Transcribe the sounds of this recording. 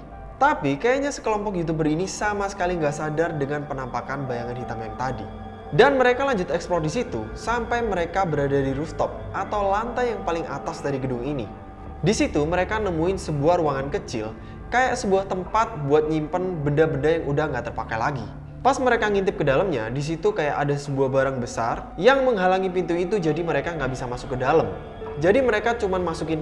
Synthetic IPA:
t̪apikajaɲasə̥kəlɔmpɔk̬jut̪̬ubərinisamasə̥kaliŋɡaʔsadardəŋanpənampakanbajaŋanhit̪amjaŋt̪adḭ | danməɾekalaɲd͡ʒʊt̪̚ɛksplɔrdisit̪usampajməɾekabəɾadadiɾuft̪ɔp̚at̪awlant̪ajaŋpalɪŋa̰t̪asdaɾiɡədʊŋinḭ | disit̪uməɾekanəmuɪnsəbuahɾuaŋankət͡ʃɪ̰l | kajaʔsəbuaht̪əmpat̪̚buat̪̚ɲimpanbəndabəndajaŋudahŋɡaʔt̪ərpakajlaɡi | pasməɾekaŋint̪̬ɪp̚kədalamɲa̰dis̬it̪ukajaʔadasəbuahbaɾaŋbəsa̰rjaŋməŋɦalaŋipint̪uit̪ud͡ʒadiməɾekaŋɡaʔbisamasʊkːədaləm | d͡ʒadiməɾekat͡ʃumanmasukɪn

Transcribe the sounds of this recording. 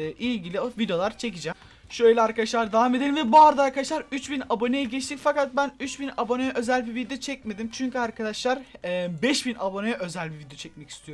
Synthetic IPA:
ʔilʲɟilʲiovid̪jo̞lˠaɾt͡ʃʰe̞c̬id͡ʒɛm | ʃøjlʲɛaɾkʰad̪aʃlˠaɾd̪avaːme̞d̪elʲimvɛbuaɾd̪aaɾkʰad̪aʃlˠaɾyt͡ʃbinabo̞nejiɟɛt͡ʃt̪ʰicʲfakat̪̚bænyt͡ʃbinabo̞nejɛʔø̞zælʲbivid̪ijo̞t͡ʃʰɛc̚me̞d̪imt͡ʃʰyɲcyaɾkʰad̪aʃlˠaɾɛbɛʃbinabo̞nejɛʔø̞zælʲbivid̪jo̞t͡ʃʰɛc̚mɛci̥st̪ʰijoɾ

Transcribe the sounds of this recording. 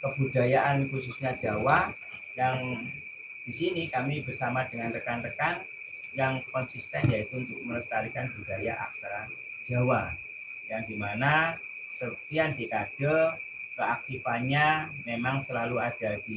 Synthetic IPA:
kəb̥udajaʔankususɲḁd͡ʒ̥awa | jaŋ | d̥isinikamibərsamadəŋanrəkanrəkan | jaŋkɔnsist̪ɛnjait̪uunt̪ʊk̚mənəst̪aɾikanbud̥ajaʔa̰ksɾa | d͡ʒ̥a̤wa | jaŋdimana | sət̪iandiʔad̥a | kəak̚t̪ifaɲamemaŋsəlaluad̥ad̥i

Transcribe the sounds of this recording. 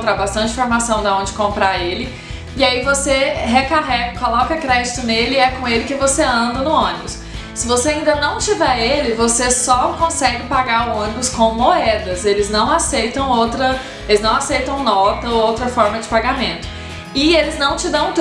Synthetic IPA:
t̪ɾabast̪ɐ̃nt͡ʃɪ̃foɾmasɐ̃w̃d̪aõd͡ʒɪkõmpɾaɾelɪ | ɪaivoseɦekaɦɛɡɐkolɔkɐkɾɛd͡ʒɪt̪ʊnelɪiɛkõelɪkɪvoseɐ̃nd̪ɐnʊõnibʊs | sɪvoseaĩnd̪ɐnɐ̃w̃t͡ʃivɛɾelɪvosesɔkõsɛɡɪpaɡaɾʊõnibʊskõw̃moɛd̪ɐzelɪznɐ̃w̃asejt̪ɐ̃w̃owt̪ɾɐ | elɪznɐ̃w̃asejt̪ɐ̃w̃nɔt̪ɐoowt̪ɾɐfɔɾmɐd͡ʒɪpaɡamẽnt̪ʊ̥ | ɪelɪznɐ̃w̃t͡ʃɪd̪ɐ̃w̃t̪

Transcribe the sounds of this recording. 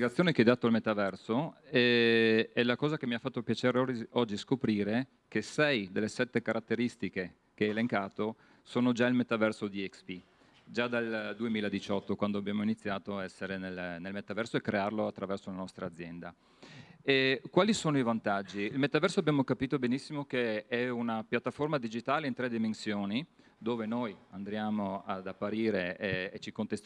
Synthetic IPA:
iɡat̪sjoːnekeɛd̪aːt̪oalmet̪avɛrsoɛ | ɛlakɔːzak̟emːiafːat̪ːopjat͡ʃeːɾeɔd͡ʒːiskopɾiːɾe | kesɛjd̪elːesɛt̪ːekaɾʔat̪ːeɾist̪ike | keɛeleŋkaːt̪o | soːnod͡ʒailmet̪avɛrsod̪iɛkspi | d͡ʒad̪ald̪uemiːlaed̪it͡ʃɔt̪ːokwand̪oabjaːmoinit̪sːjaːt̪oaɛsːeɾenelnelmet̪ːavɛrsoekːɾearloat̪ːɾavɛrsolanɔst̪ɾaːd̪zːjɛnd̪a | ɛkwaːlisoːnoivant̪ad͡ʒːiːlmet̪ːavɛrsoabjaːmokapiːt̪obenisːimok̟eɛunapjat̪ːaformad̪id͡ʒit̪aːleint̪ɾɛd̪ːimensjoːni | d̪oːvenojand̪ɾjaːmoad̪apːaɾiːɾeːt͡ʃikont̪es

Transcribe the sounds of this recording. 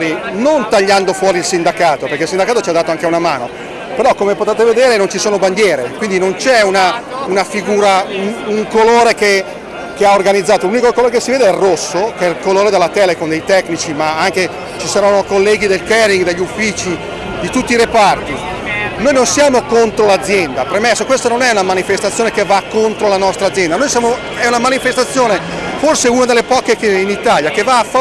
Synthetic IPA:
ɾinont̪aʎːand̪ofwɔːɾilsind̪akaːt̪operkeilsind̪akaːt̪ot͡ʃiad̪aːt̪oaŋkeunamaːno | peɾɔkːomepot̪eːt̪eved̪eːɾenont͡ʃisoːnoband̪jɛːɾekwind̪inont͡ʃɛunaunafiɡuːɾaunuŋkoloːɾeke | keaorɡanid̪zːaːt̪olunikokoloːɾekesːiveːd̪eɛrːosːokɛlkoloːɾed̪elːat̪ɛːlekond̪ejt̪ɛkːnit͡ʃimaaŋke | t͡ʃisaɾanːokolːɛːɡid̪elkɛɾiŋɡd̪eʎːufːiːt͡ʃi | d̪it̪ut̪ːiɾepart̪i | noːjnonsjaːmokont̪ɾolad̪zːjɛnd̪apɾemɛsːokwest̪ononɛunamanifest̪at̪sjoːnekevakːont̪ɾolanɔst̪ɾad̪zːjɛnd̪anojsjaːmo | ɛunamanifest̪at̪sːjoːne | forseunad̪elːepɔːkekeinit̪aljakevːaːf

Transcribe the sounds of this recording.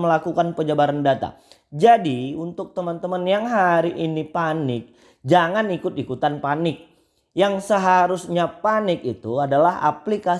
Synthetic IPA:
məlakukanpəd͡ʒabaɾandat̪a̰ | d͡ʒadiunt̪ʊk̚t̪əmant̪əmanjaŋɦaɾiʔinipanɪk̚ | d͡ʒaŋanikʊt̪̚ikut̪anpanɪk̚ | jaŋsəɦaɾusɲapanɪk̚it̪uadalaɦa̰plika

